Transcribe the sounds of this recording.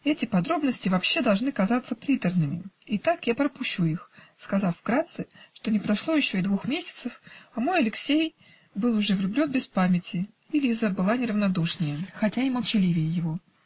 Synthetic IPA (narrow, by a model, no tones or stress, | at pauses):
ɛtʲɪpɐd̪ɾo̞bnəsʲtʲɪvɐpɕːe̞d̪ɐlˠʐnɨkɐzat̪səpɾʲit̪ərnɨmʲɪɪt̪akjapɾəpʊɕːuixskɐzɑfvɡɾat̪sɨʂt̪o̞nʲɪpɾɐʂlˠo̞jɪɕːo̞ɪd̪vuxmʲesʲɪ̥t̪səfɐmo̞jɐlʲɪksʲej | bɨlˠʊʐɛvlʲʊblʲo̞nbʲɪspamʲɪtʲɪ | ɪlʲizəbɨlˠanʲɪɾəvnɐd̪uʂnʲɪjəxɐtʲaɪməlˠt͡ɕɪlʲivʲɪjɪjɪvo